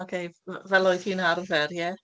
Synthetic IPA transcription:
ɔkʰejvɛlˠoːɨð̥hiːnarvɛrjɛ

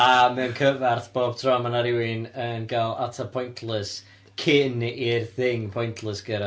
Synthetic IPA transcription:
amɛwnkʰəvarθb̥oːb̥̚tʰrɔmanaɾɪwɪnənɡalˠatʰapʰɔjntʰlˠɨs | kʰɪnirθɪŋpʰɔjntʰlˠɨsɡ̥əɾa

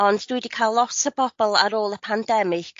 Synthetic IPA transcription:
ɔnddwɪdikʰalˠːɔtəb̥ɔb̥ɔlˠaɾoːlˠəpʰandɛmɪk

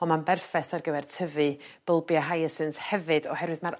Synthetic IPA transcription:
ɔmanbɛrfɛθarɡəvɛrtʰəvɨ | b̥əlˠbjaɦajəsɨnthɛvɨdɔhɛɾwɨðmaɾ

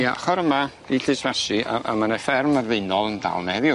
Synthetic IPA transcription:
jaχɔɾəma | iɬɨsvasɨaa̰manefɛrmarveɨnɔlˠənda̰lˠnɛvjʊ

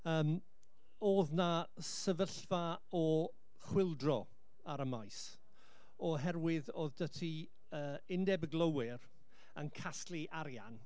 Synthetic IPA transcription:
əːm | oːðna | səvəɬva | ɔ | χwɪlˠdrɔ | aɾəmajs | ɔɦɛrwɪðoːðdətʰi | əːɪndɛbəɡlˠəwɪɾ | ənkʰastliʔaɾjan

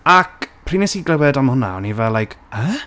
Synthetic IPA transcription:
akpʰr̥iːnɛsiɡləwɛdamhʊna̰ɔ̰nivɛlːˠajkʰə

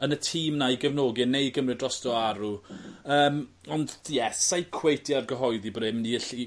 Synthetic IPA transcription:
ənətʰiːmnajɡɛvnoːɡɨnejɡəmrɛdrɔstɔaɾuəːm | ɔndjɛsajkʰw̥ejtʰjarɡəɦɔɨðibrɪmniəɬi

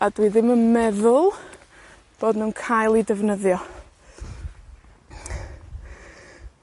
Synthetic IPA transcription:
adwiðɪmənmɛðʊlˠ | b̥oːdnuːnkʰajlˠidəvnəðjɔ

